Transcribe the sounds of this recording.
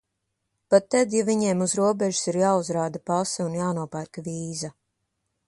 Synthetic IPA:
pat̪ːɛd̪javiɲeːmuzɾuɔbɛʒu̥siɾjaːuzɾaːd̪apasɛunjaːnuɔpæɾkaviːza

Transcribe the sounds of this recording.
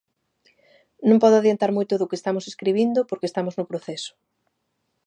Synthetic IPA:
nõmpɔðoaðjent̪aɾmojt̪oðʊkest̪amoseskɾiβ̞ind̪opoɾkeːst̪amoznʊpɾoθɛsʊ̥

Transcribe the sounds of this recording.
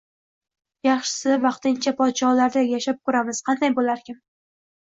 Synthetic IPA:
jɑχʃɪ̥sɪvɑqt̪ɪnt͡ʃʰapʰɒd̪ʃɒlaɾd̪ajaʃap̚kʰɵɾamɪz̥qʰɑnd̪ajbolaɾkʲɪm

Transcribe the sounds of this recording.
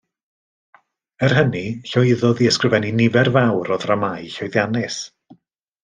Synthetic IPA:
ər̥ɦəniɬɔɪðɔðiəskrɪvɛninɪvɛrvawɾɔðramajɬɔjðjanɪs

